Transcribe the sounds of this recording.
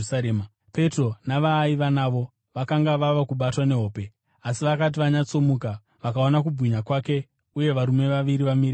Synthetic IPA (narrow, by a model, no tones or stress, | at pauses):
aɾema | pe̞tro̞naʋaːiʋanaːʋo̞ | ʋakaŋɡaʋaʋakuɓatwane̞ɦo̞ːpe̞ | asiʋakat̬iʋaɲat͡so̞muka | ʋakao̞nak̬ubʱwiɲakwake̞ | uje̞ʋaɾume̞ʋaʋiɾiʋamiɾi